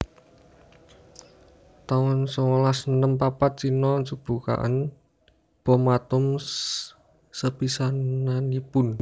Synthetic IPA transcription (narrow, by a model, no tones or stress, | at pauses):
t̪awɔnsɔŋɔlasənəmpapat̪̚sinɔnsub̥ṳka̰ʔə̰n | b̥ɔ̤mat̪ʊm | səpisananipʊn